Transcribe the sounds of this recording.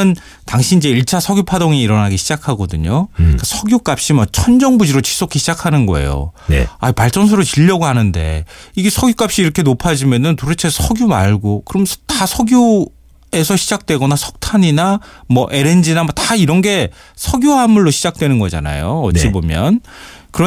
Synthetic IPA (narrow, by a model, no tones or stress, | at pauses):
ɯn | taŋɕʰinid͡ʑe̞iɭt͡ɕʰasʰʌɡjopʰadoŋiːɾʌnɦaɡiɕʰid͡ʑakʰaɡʌdɯɲokasʰʌɡjok͈ap̚ɕ͈imat͡ɕʰʌnd͡ʑʌŋbud͡ʑiɾot͡ɕi̥s͈okʰiɕʰid͡ʑakʰanɯnɡʌ̰ḛjo̰nḛaipaɭt͡ɕ͈ʌns̬ʰɯɾot͡ɕiʎːʌɡohanɯnde̞̰iɡe̞sʰʌɡjuk͈ap̚ɕ͈iːɾʌkʰe̞nopʰad͡ʑimjʌnɯntoɾet͡ɕʰesʰʌɡjumaɭɡokɯɾʌmtasʰʌɡjo | e̞sʰʌɕʰid͡ʑak̚t͈we̞ɡʌnasʰʌ̥k̚tʰaɲinamʌʔe̞ɾe̞nd͡ʑinamʌtaiɾʌnɡe̞ | sʰʌɡjoɦamuɭːoɕʰid͡ʑak̚twe̞nɯnɡʌd͡ʑa̰na̰joʌt͡ɕ͈ibomjʌn | kɯɾʌ